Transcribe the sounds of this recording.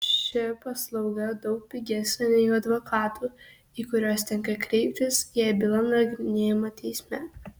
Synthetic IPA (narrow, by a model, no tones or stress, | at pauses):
ʃʲɛjɛpɐslˠɐʊɡɐd̪ɒʊk̚pʲɪɡʲeːsʲɐnʲɛɪʊɐd̪ʋoːkʰɑːt̪uː | iːkʊɾʲoːst̪ʲɛŋkɐkɾʲɛɪpʲt̪ʲɪsjɛːbʲɪlˠɐnɐɡʲɾʲɪnʲeːjɪmɐːt̪ʲʰɛɪsʲmʲɛ